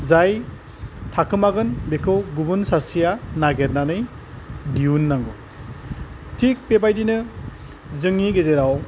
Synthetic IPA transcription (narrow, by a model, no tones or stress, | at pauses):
zaj | tʰakʰɯmaɡɯnbekʰɯwɡubunsasijanaɡeɾnanɯj | diunːaŋɡu | tʰik̚pebajdinɯ | zɯŋiɡezeɾaw